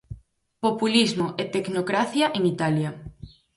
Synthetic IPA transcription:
populizmoʔet̪eknokɾaθjɐʔeŋit̪aljɐ

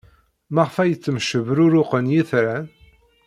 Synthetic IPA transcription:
maʁfæjət͡sːəmʃəvɾʊɾʊqənjiθɾæn

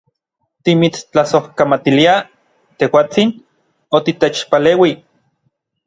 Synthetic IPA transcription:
t̪imit͡st͡ɬasohkamat̪ilia | t̪ehwaːt͡sin | ot̪it̪et͡ʃpaleːwi

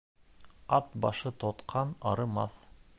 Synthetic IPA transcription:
ɑt̪bɑʃɤt̪ʰot̪qʰɑnɑɾɤmɑθ

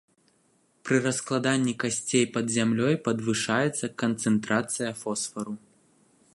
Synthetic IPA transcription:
pɾɨɾɐsklˠad̪anʲːikasʲt͡sʲejpɐd̪zʲamlʲɔjpɐd̪vɨʂajɛt̪sːɐkɐnt̪sɨnt̪ɾat̪sɨjɐfɔsfɐɾu

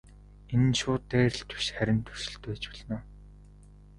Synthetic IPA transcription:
en̆nʃʊːt̪ːeːr̆ɬt̪ʰɵ̥ʃχæɾʲɪ̆nt̪ʰɵ̥r̥sɪ̆ɬt̪eːt͡ɕpɔɮnʊː

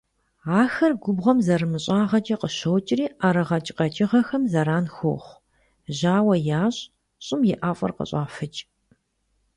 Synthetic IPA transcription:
aːxɐrɡʷʊbʁɐmzɐɾɨmɨɕʼaːʁɐt͡ʃʼɐqəʃɐwt͡ʃʼɪriːʔɐɾɨʁɐt͡ʃʼqɐt͡ʃʼɪʁɐxɐmzɐɾaːnxo̰ːχʷ | ʒaːwɐjaːɕʼ | ɕʼɪmjɪʔaːfʼɐ̰rqə̰ɕʼaːfɨt͡ʃʼ

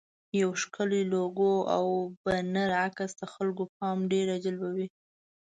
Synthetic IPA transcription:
jawʃkəliloɡoa̰wbanaɾakasd̪əxalkop̚ɑmɖeɾad͡ʒalbawi

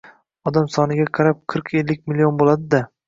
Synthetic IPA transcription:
ɒd̪amsɒnɪɡʲaqʰɑɾap̚qʰɨɾqʰe̞lːɪk̚ʲmilːijonbolˠad̪ɪd̪a

